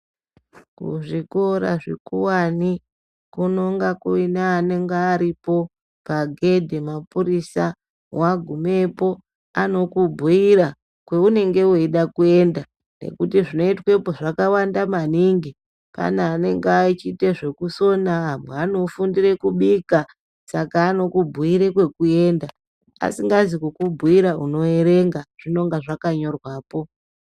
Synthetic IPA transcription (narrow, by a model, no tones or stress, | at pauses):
kṵʐiko̞ɾa̰ʐekuwani | kuno̞ŋɡakuinaːne̞ŋɡeːɾipo̞ | paɡʱe̞dʱemapuɾisa | waɡʱume̞po̞ | ano̞kubʱuiɾa | kweune̞ŋɡe̞weiɗakue̞nda | ne̞̰kutiʐino̞itwe̞po̞ʐakawandamaniŋɡi | pa̰naːne̞ŋɡait͡ʃiteʐe̞kuso̞naɦamweano̞fundire̞kuɓika | sakaːno̞kubʱuiɾekwe̞kue̞nda | a̰siŋɡazikukubʱuiɾauno̞e̞ɾe̞ŋɡaʐ̥ino̞ŋɡaʐakaɲo̞rwaːpo̞